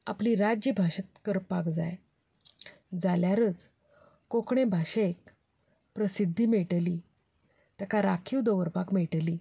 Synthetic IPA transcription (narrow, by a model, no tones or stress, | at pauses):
a̰pliːɾad͡ʑibʱaɕət̪̚kəɾpakd͡za̰j | d͡zaljaɾət͡s | kokɳebʱaɕek | pɾəsid̪ʱːiːmeʈliː | t̪akaɾakʰiwd̪əʋəɾpakmeʈliː